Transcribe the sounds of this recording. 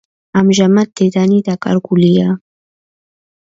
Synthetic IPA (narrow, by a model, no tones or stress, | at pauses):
amʒamat̪̚d̪ed̪anid̪aka̰ɾɡulija